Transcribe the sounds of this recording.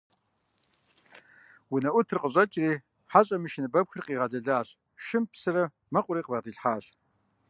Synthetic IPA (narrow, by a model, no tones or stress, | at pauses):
wunɐʔʷʊtʰrɨqʼəɕʼɐt͡ʃʼriː | ħaɕʼɐmɨʃɪnɨbɐpxɨrqiːʁɐɮɐɮaːɕ | ʃɪmpsɨɾɐ | mɐqʷʼʊɾiːqbɐtiːɬħaːɕ